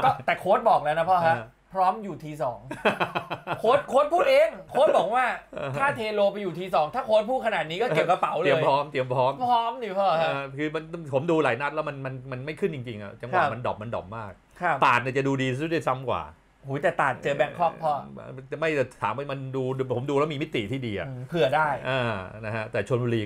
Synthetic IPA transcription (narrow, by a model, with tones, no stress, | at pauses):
kɔː˥˩t̪ɛː˨˩kʰoː˦˥t̪̚bɔː˨˩k̚lɛː˦˥wna˦˥pʰɔː˥˩a˦˥ | pʰɾɔː˦˥mjuː˨˩t̪ʰiː˧sɔː˩˦ŋ | kʰoː˦˥t̪̚kʰoː˦˥t̪̚pʰuː˥˩t̪ʔeː˧ŋkʰoː˦˥t̪̚bɔː˨˩k̚waː˥˩˧t̪ʰaː˥˩t̪ʰeː˧loː˧pa˧jːuː˨˩t̪ʰiː˧sɔː˩˦ŋt̪ʰaː˥˩kʰoː˦˥t̪̚pʰuː˥˩t̪̚kʰa˧naː˨˩t̪̚niː˦˥kɔː˥˩e˨˩p̚ka˧pa˩˦wli˧˦əː˧pʰɾɔː˦˥mt̪i˧˩əmpʰɾɔː˦˥mpʰɾɔː˦˥mdiː˧˩pʰɔː˥˩ha˦˧kʰɯː˧ma˧npʰo˩˦mduː˧la̰ː˩˦jna˦˥lɛː˦˥wma˧nma˧nma˧nma˥˩jkʰɯ˥˩nt͡ɕi˧ŋt͡ɕi˧ŋʔa̰˨˩t͡ɕa˧ŋwa˨˩ma˧ndɔ̰ː˨˩p̚ma˧ndɔ̰˨˩p̚maː˥˩k̚ʰa˦˧˩t̪aː˨˩t̪̚ni˧˩t͡ɕa˨˩duː˧diː˧˦˥da˥˩sa˦˥mkwa̰ː˨˩ | huː˩˦t̪ɛː˨˩t̪aː˨˩t̪̚t͡ɕɤː˧bɛ˦˥kʰɔ˥˩pʰɔ̰ː˥˩˧ma˥˩jt̪ʰaː˩˦ma˥˩ma˧nduː˧pʰo˩˦mduː˧lɛː˦˥wmiː˧mi˦˥t̪ḭ˨˩t̪ʰiː˥˩diː˧ʔa̰˨˩˧pʰɯ˨˩ədaː˥˩jʔaː˧na˦˥kʰa˦˥t̪ɛː˨˩t͡ɕʰu˧ənbuː˧liː˧